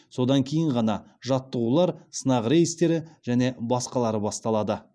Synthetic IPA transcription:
so̞d̪ɑŋkʲʰe̞jɪɴʁɑnɑ | ʒɑt̪ːəʁulˠɑɾsənɑʁɾe̞jəst̪e̞ɾɪʒ̥æne̞bɑsqɑlˠɑɾəbɑst̪ɑlˠɑd̪ə

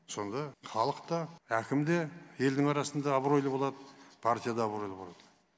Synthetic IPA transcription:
so̞nd̪ɑχɑlˠəqt̪ɑækʲɪmd̪e̞je̞ld̪ɪŋɑɾɑsənd̪ɑːbɾo̞jləbo̞lˠɑd̪əpʰaɾt̪ijad̪ɑːbɾo̞jləbo̞lˠɑd̪̥ə

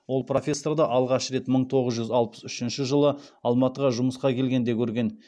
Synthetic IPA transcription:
wo̞lˠpro̞fʲe̞sːord̪ɑʔɑlˠʁɑʃɾe̞t̪məɴt̪ʰo̞ʁəzʒʏzɑlˠpə̥sʏʃɪnʃɪʒəlˠəɑlˠmɑt̪əʁɑʒʊməsqɑkʲʰe̞lɡʲe̞nd̪e̞kʲʰɵɾɡʲe̞n

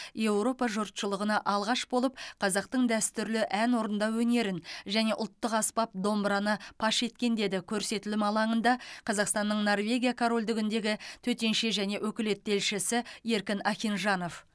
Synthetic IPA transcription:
je̞wɾo̞pɑʒʊɾt̪ʃəlˠəʁənɑʔɑlˠʁɑʃbo̞lˠəp̚qʰɑzɑq̚t̪əɴd̪æst̪ʏɾlɪʔænwo̞ɾənd̪ɑwɵne̞ɾɪnʒæne̞ʔʊ̰lˠt̪ːəqɑspɑp̚d̪o̞mbɾɑnəpʰɑʃe̞t̪kʲe̞nd̪e̞d̪ɪkʲʰɵɾse̞t̪ɪlɪmɑlˠɑɴənd̪ɑqʰɑzɑqst̪ɑnːəɴno̞rvʲe̞ɡʲijakʰoɾo̞lʲd̪ɪɡʲɪnd̪e̞ɡʲɪt̪ʰɵt̪e̞nʃe̞ʒæne̞wɵkʲɪle̞t̪̚ːe̞lʃɪsɪe̞ɾkʲɪnɑχʲinʒɑno̞f

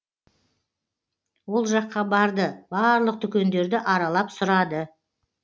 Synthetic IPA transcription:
wo̞lˠʒɑqːɑbɑɾd̪əbɑɾlˠəq̚t̪ʰʏkʲe̞nd̪e̞ɾd̪ɪʔɑɾɑlˠɑpsʊɾɑd̪ə

